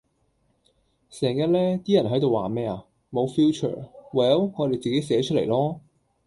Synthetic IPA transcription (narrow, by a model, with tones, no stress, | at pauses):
sɛː˨˩ŋjɐ˨t̚lɛː˥t̪iː˥jɐ˨˩nɦɐ˨˥jt̪o˨waː˨˩mɛː˥a˨ | mo˨˧wfiː˥t͡ʃʰə̰ː˨˩wɛ˨jɐ˨˥wŋɔː˨˧ɾe˨jt͡siː˨ke˨˥jsɛː˨˧˥t͡ʃʰɵ˥t̚lḛ˨˩jlɔː˥